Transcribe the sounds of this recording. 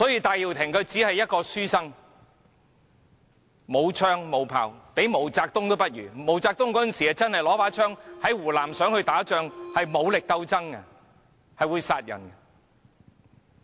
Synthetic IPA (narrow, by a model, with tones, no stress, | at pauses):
sɔː˨˥jiː˧t̪aː˨˧jiː˨˩wt̪ʰɪ˨˩ŋkʰɵ˨˧ɥt͡siː˨˥hɐ˨jːɐ˥t̚kɔː˧syː˥sɐ˥ŋ | mo˨˧wt͡ʃʰœː˥ŋmo˨˧wpʰa̰ː˨wpe˨˥jmo˨˩wt͡saː˧k̚t̪ʊ˥ŋt̪o˥wpɐ˥t̚ɥy̰ː˨˩mo˨˩wt͡saː˧k̚t̪ʊ˥ŋkɔː˨˥ɐ˨nsiː˨hɛ˨t͡sɐ˥nhɐ˨jlɔː˨˥paː˨˥t͡ʃʰœː˥ŋhɐ˨˥jwuː˨˩laː˨˩msœː˨˥ŋhɵ˧ɥt̪aː˨˥t͡ʃœː˧ŋhɐ˨jmo˨˧wlɪ˨k̚t̪ɐ˧wt͡sɐ˥ŋɐ̰˧ | hɐ˨jwuː˨˧jsaː˧t̚jɐ̰˨˩nkɐ˧